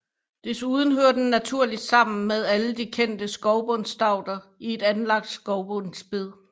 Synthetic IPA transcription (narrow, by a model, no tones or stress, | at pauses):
d̥e̝suːðˠn̩ɦøɐd̥enːæt͡sʰuɐ̰lid̥sɑ̈m̰n̩með̞ˠæləd̥ikʰen̰d̥əsɡ̥ɒʊb̥ɔnsd̥ɑ̈ʊ̰d̥ɐie̝d̥ænlɑ̈ɡ̥̚d̥sɡ̥ɒʊb̥ɔnsb̥e̝ð̞ˠ